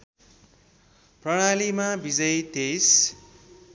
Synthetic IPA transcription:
prʌɽ̃alimabid͡zʌjt̪es

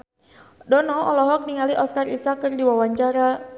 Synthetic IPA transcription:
dɔnɔɔlɔɦɔk̚niŋaliʔɔskarisakɨrdiwawaɲt͡ʃaɾa

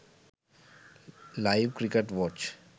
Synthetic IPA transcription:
laɪʋkɾɪkeʈʋɔːt͡ʃ

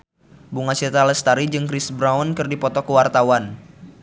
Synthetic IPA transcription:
buŋat͡ʃɛt̪alɛst̪aɾid͡ʒɨŋkɾisbɾaɔnkɨrdipɔt̪ɔkəwart̪awan

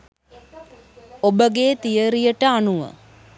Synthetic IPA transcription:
obəɡeːt̪ijəɾijəʈəanuʋə̰

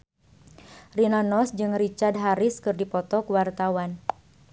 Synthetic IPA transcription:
rinanɔsd͡ʒɨŋrit͡ʃard̚ɦaɾiskɨrdipɔt̪ɔkuwart̪awan

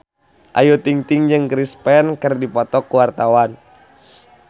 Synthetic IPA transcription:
ʔajut̪iŋt̪iŋd͡ʒɨŋkɾispɛnkərdipɔt̪ɔkːuwart̪awan

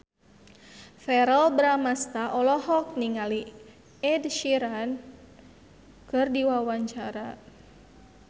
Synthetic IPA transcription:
fɛɾəlbɾamast̪aʔɔlɔhɔk̚niŋali | ɛdʃiɾan | kɨrdiwawaɲt͡ʃaɾa

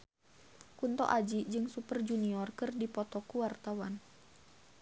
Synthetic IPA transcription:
kunt̪ɔ̰ʔad͡ʒid͡ʒɨŋsupərd͡ʒuniɔrkɨrdipɔt̪ɔkuwart̪awan

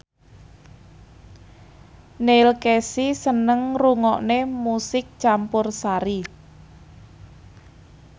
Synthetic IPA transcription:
nelkesisənəŋruŋɔʔnemusɪk̚t͡ʃampʊrsaɾi

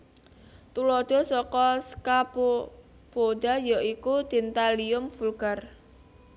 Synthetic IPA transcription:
t̪ulɔd̪̥ɔ̤sɔkɔskapo | podajɔikud̪̥i̤nt̪aliʊmfulɡ̥ar

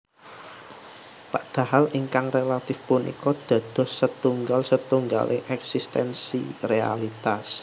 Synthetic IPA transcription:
paʔd̪̥a̤haliŋkaŋrelat̪ɪfpunʔḭkɔd̪̥ä̤d̪̥ɔ̤ssət̪uŋɡalsət̪uŋɡa̰lʔɪ̰ŋʔɛksist̪ɛnsḭrea̰lit̪as

